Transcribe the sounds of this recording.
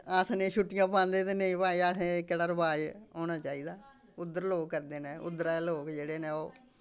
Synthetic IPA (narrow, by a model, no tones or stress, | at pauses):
əːsnẽːʃʊʈːɪjãːpãːnd̪eːt̪eːnəĩːpaːiaːsẽːkəɽəɾbaːd͡ʒɦoːɽaːt͡ʃaːiːd̪aː | ʊd̪əɾloːkːəɾd̪eːneːʊ̰d̪əɾaloːkd͡ʒeːɽeːneːoː